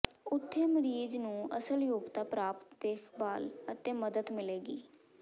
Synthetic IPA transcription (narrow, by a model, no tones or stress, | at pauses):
ʊt̪ʰːeːməɾiːd͡ʒnũːə̰səljoːɡt̪aːpɾaːpt̪d̪eːkʰbaːlət̪ẽːməd̪əd̪mɪleːɡiː